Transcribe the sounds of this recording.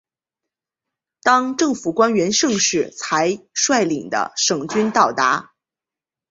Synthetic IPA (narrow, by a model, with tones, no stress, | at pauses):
t̪ɑ˥ŋʈ͡ʂɤ˥˩ŋfu˨˩kwa˥nɥɛ˧˥nʂɤ˥˧ŋʂɻ̩˥˩t͡sʰa˧˥ɪʂwa˥˩ɪli˨˩ŋd̪ə̰˦ʂɤ˨˩ŋt͡ɕy˥nt̪ɑ˥˩ʊt̪a˧˥